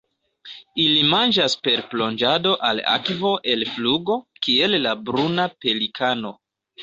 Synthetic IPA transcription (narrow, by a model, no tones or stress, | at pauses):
ilimand͡ʒaspe̞ɾplo̞nd͡ʒado̞ʔala̰kvo̞ʔe̞lfluɡo̞kie̞lːabɾunape̞likʰano̞